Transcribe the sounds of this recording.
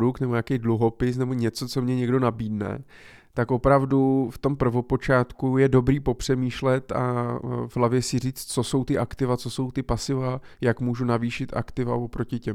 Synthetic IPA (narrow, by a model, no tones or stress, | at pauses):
dukt̪nɛbojakejdluɦo̞pɪs̬nɛbo̞ɲɛt͡so̞t͡so̞mɲɛɲɛɡdo̞nabiːdnɛ̰ | t̪ako̞pɾavduft̪o̞mpr̩vo̞po̞t͡ʃaːt̪kujɛdo̞bɾiːpo̞pr̝̥ɛmiːʃlɛt̪a̰vɦlavjɛsɪr̝iːt͡st̪t͡so̞so̞wt̪ɪʔakt̪ɪvat͡so̞so̞wt̪ɪpasɪva | jakmuːʒunaviːʃɪt̪a̰kt̪ɪva̰vopɾo̞cɪcɛm